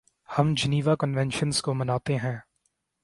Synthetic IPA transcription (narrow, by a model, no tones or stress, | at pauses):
hɐmd͡ʒɐniːʋakənʋɛ̃nʃənzkomɐnaːt̪eɦɛ̃ː